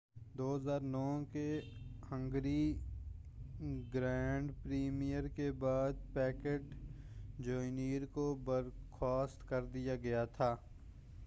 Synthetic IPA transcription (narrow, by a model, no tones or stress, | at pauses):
d̪oːɦəzaːɾnɔːkehə̃ŋɡɾi | ɡɾɛːɳɖpɾiːmijəɾkebaːd̪̚pɛːkeʈ | d͡ʒoːɪniːɾkobəɾxʰɔːst̪kɐɾd̪ijaɡɐjat̪ʰaː